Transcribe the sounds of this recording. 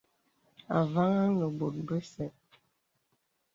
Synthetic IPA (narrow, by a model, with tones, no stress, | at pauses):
a̰˨va˦ŋa˦ŋə˨bo˨t̚bə˦sɛ˨t